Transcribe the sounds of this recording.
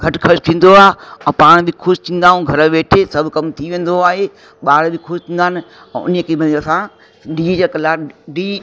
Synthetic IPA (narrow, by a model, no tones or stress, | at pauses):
kʰɐʈkʰɐʃt̪ʰĩːn̆d̪oaːɦeɛ̃ːpaːɽ̃bɪkʰʊʃt̪ʰĩːn̆d̪aːɦũɡʱɐɾəʋeːʈʰesɐbʱkɐmt̪ʰiʋẽːn̆d̪oaːɦe | ɓaːɽbɪkʰʊʃt̪ʰĩːnd̪aːnɪ̆ | ɛ̰̃ʊ̰njekʰemɐ̃ɐsã | ɖiːɐkɐlaːɖiː